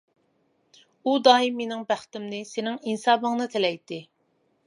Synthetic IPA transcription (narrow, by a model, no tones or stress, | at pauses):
ud̪ɑːimːenɪŋbæχt̪ɪmnɪsenɪŋinsɑːbəŋnɨt̪ʰelɛjt̪ʰːɪ